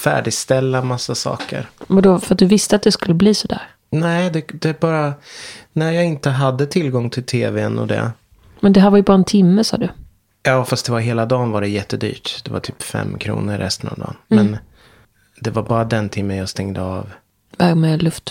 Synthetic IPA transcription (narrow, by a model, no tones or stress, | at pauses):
fæ̰ːɖɪɡst̪ɛlːamasːasɑ̰ːkə̰ɾɔd̪ɔfœɾat̪̚d̪ɵvɪst̪əat̪̚d̪ɛskɵlːəbliːsɔd̪æ̰ːɾ | nɛɪd̪ɛd̪ɛbɑːɾanæɾjɑːɡɪnt̪əɦad̪ːət̪ʰɪlɡɔŋːt̪ʰɪlt̪ʰeːvɛnɔ̰d̪ɛ̰ | mɛnd̪ɛɦæːɾvaɾjɵbɑːɾaɛnt̪ʰɪmːəsɑ̰ːd̪ɵ | jɑːfast̪̚d̪ɛvaɾɦeːlad̪ɑːnvaɖɛjɛt̪ːəd̪y̰ːʈd̪̥ɛva̰ʈʰyːpfɛ̰mːkʰɾṵːnəɾːɛst̪ənɔ̰vd̪ɑ̰ːnmɛn | d̪ɛvaɾbɑːɾad̪ɛnt̪ʰɪmːənjaːst̪ɛŋd̪əɑ̰ːv | vaɾmɛlɵft̪